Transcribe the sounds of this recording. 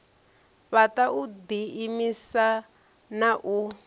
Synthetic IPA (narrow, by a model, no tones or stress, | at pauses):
βataʔud̪iːmisa | naʔu